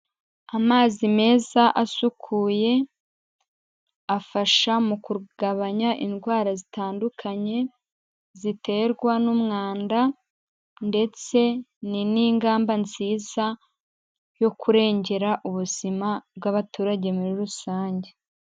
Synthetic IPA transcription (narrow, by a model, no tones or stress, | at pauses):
amaːzime̞ːzaʔasukʰuːje̞ | afaʃamukuɾɡ̥aβaɲaʔinɡwaːɾazitaːndukʰaɲe̞ | zite̞ɾɡwanumŋaːnda | nde̞t͡se̞niniːŋɡaːmbanziːza | jo̞kʰuɾe̞ːɲɟe̞ɾaʔuβuz̥imab̚ɡaβatuːɾaɟe̞muɾiɾusaːɲɟe̞